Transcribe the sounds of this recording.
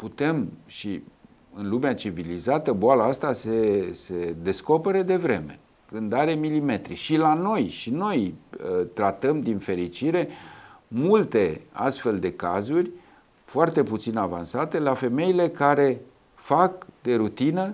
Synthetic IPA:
put̪e̞mʃi | ɨnlumeat͡ʃivilizat̪əboalaast̪asese̞d̪e̞sko̞pe̞ɾed̪e̞vɾe̞me̞̰ | kɨnd̪aɾe̞milime̞t̪ɾḭʃilano̞jʃino̞jt̪ɾat̪əmd̪infe̞ɾit͡ʃiɾe̞ | mult̪e̞a̰st̪fe̞ld̪e̞kazurʲ | foart̪e̞put̪sinava̰nsat̪e̞lafe̞me̞ile̞kaɾe̞ | fakd̪e̞ɾut̪inə

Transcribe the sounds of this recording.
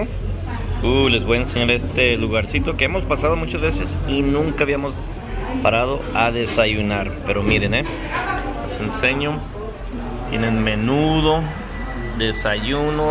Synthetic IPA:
ule̞zβojaenseɲaɾest̪e̞luɣaɾsit̪o̞keemo̞spasað̞o̞mut͡ʃazβe̞se̞sinũŋkaβiamo̞s | paɾað̞o̞aðe̞saʝunaɾpe̞ɾomiɾe̞ne | lasense̞ɲo | t̪je̞̰nenme̞nuð̞o̞ | ðe̞saʝuno

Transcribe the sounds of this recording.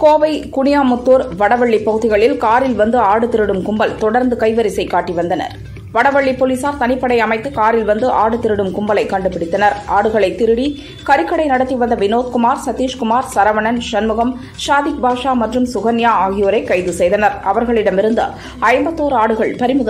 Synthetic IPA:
koːʋɐɪkʊɳɪjaːmʊt̪ːuːɾʋɐɽɐʋɐɭːipːɐɣɯðɪɣɐɭɪlkaːɾɪlʋɐnd̪ɯaːɽɯt̪ɪɾɯɽɯmkʊmbɐlt̪ɔɽɐɾnd̪ɯkɐɪʋɐɾɪsɐɪkːaːʈːiʋɐnd̪ɐnɐ̰ɾ | ʋɐɽɐʋɐɭːipoːliːsaːɾt̪ɐnɪpːɐɽɐɪɐmɐɪt̪ːɯkaːɾɪlʋɐnd̪ɯʔaːɽɯt̪ɪɾɯɽɯmkʊmbɐlɐɪkːɐɳɖɯpːɪɽɪt̪ːɐnɐɾʔaːɽɯɣɐɭɐɪt̪ːɪɾɯɽi | kɐɾɪkːɐɽɐɪnɐɽɐt̪ːiʋɐnd̪ɐʋɪnoːð̚kʊmaːɾsɐt̪ːiːʂkʊmaːɾsɐɾɐʋɐɳɐnʂɐnmɯɣɐm | ʃaːðɪk̚bʱaːʂaːmɐʈrɯmsʊɣɐnjaːaːɣɪjoːɾɐɪkːɐɪðɯsɛjðɐnɐɾɐʋɐɾɣɐɭɪɽɐmɪɾɯnd̪ɐ̰ | ɐɪmbɐt̪ːoːɾaːɽɯɣɐɭpɐɾɪmɯðɐ

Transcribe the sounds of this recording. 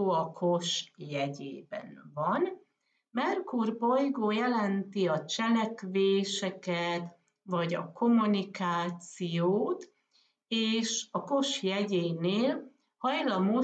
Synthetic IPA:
oːɒkʰo̞ʃjɛɟḛːbɛ̰nvɒn | mɛrkurbo̞jɡoːjɛlɛnt̪iɒt͡ʃɛlɛkveːʃɛkɛt̪ | vɒɟɒ̰ko̞munikaːt̪sijooːt̪ | eːʃɒko̞ʃjɛɟeːneːl | hɒjlɒmo

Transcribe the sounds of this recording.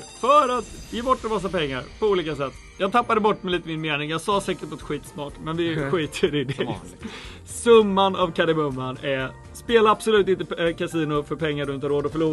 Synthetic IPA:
fœɾat̪jɛbɔʈːɛmas̬ːapɛŋːaɾpʰɔuːliːkasɛt̪ː | jɑːɡt̪ʰapːad̪əbɔʈːmɛliːt̪əmɪnmeːnɪŋjɑːɡsɑːsɛːkəʈat̪ːɧiːt̪smɑːʈmɛnvɪɧiːt̪ʰəɾɪd̪ɛ | sɵmːanavkʰad̪ɪmɵmːanɛ | speːlaab̥sɔlʉ̟ːt̪ɪnt̪əkʰasiːnʊfœɾpʰɛŋːaɖɵɪnʰaɾoːd̪ɔfœɭuː

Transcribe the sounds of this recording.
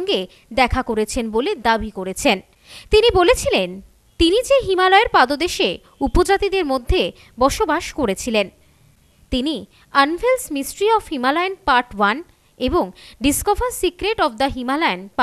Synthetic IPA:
ŋɡe | d̪ɛkʰakoɾet͡ɕʰenboled̪abikoɾet͡ɕʰen | t̪inibolet͡ɕʰilen | t̪inid͡ʑeɦimalɔeɾpad̪od̪eʃe | upod͡ʑat̪id̪eɾmod̪ʱːe | bɔʃobaʃkoɾet͡ɕʰilen | t̪ini | anfelsmisʈɾiɔfɦimalaenpaɾʈwan | eboŋɖiskofaɾsikɾeʈɔfd̪ɐɦimalaenp

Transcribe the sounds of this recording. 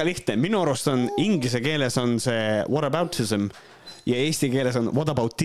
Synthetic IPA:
liht̪neminuɑɾust̪oniŋɡlis̬e̞ke̞ːle̞so̞nse̞ːvod̪ɑbɑwt̪ism | jɑe̞ːsʲt̪ike̞ːle̞so̞nvɑd̪̥ɑbɑwt̪ːˑi

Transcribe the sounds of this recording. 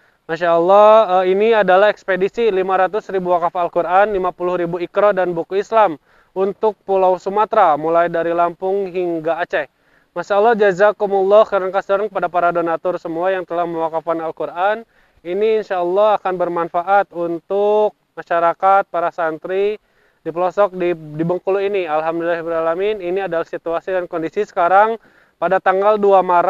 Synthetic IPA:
maʃaəlːɔəiniadalahɛkspedisilimaɾat̪ʊsɾibuwakafalkurʔanlimapulʊhɾibuikɾɔdanbukuislam | unt̪ʊk̚pulawsumat̪ɾamulajdaɾilampʊŋɦiŋɡaːt͡ʃɛ | masalːɑhd͡ʒazakumulːɔkaɾankasəɾankəpadapaɾadonat̪ɔrsəmuajaŋt̪əlahməwakafanalkurʔan | iniːnʃaəlːɔhakanbərmanfaʔat̪̚unt̪ʊk̚maʃaɾakat̪̚paɾasant̪ɾi | dipəlɔsɔk̚didibəŋkuluinialɦamdulilahbɾalamininiadalahsit̪uasidankɔndisisə̥kaɾaŋ | padat̪aŋɡalduamaɾa

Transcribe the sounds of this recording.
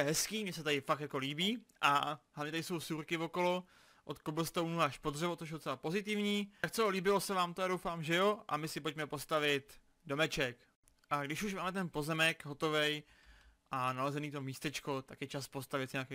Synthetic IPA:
ɛɦɛskiːmɲɛsɛt̪adɪfak̚t̪jako̞liːbiːʔaɦlavɲɛt̪aɾɪso̞wsuːɾkɪvo̞ko̞lo̞ | ʔot̪koblst̪ownuaaʃpodrɛvot͡soʃ̬dot͡sɛlapo̞zɪt̪ɪvɲiːak̚t͡sɛliːbɪlo̞sɛvaːmt̪ojado̞wfaːmʒɛjo̞ʔa̰mɪsɪpocmɛpo̞st̪avɪt̪ | domɛt͡ʃɛk | ʔaɡdɪʃuʃmaːmɛt̪̬ɛnpo̞zɛmɛkɦo̞t̪ovɛj | ʔanalɛzɛniːt̪o̞miːst̪ɛt͡ʃko̞t̪akjɛt͡ʃaspo̞st̪avɪt̪ɲaːkɛj

